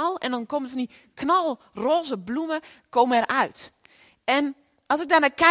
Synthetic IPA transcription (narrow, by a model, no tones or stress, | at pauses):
ɔlˠɛ̰ndɔnkomədfɔndi | kʰnɔlˠ | roːzəblumə | koːməɛrʔœɥt | ɛn | ɔlˠsɪk̚darnaːkɛ